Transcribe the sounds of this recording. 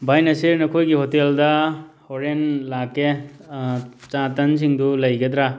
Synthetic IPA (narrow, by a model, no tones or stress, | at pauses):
bajnɐsiɾnɐkʰojɡiɦɔt̪eld̪ahɔɾenlake | t͡ʃãt̪ans̬iŋd̪uləjɡed̪ɾa